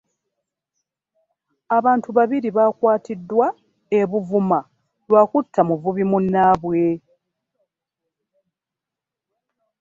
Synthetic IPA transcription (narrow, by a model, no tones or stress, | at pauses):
aβaːntuβaβiɾiβakwaːtidːwa | eβuvuma | lwakutʰːamuvuβimunːaːβwe̞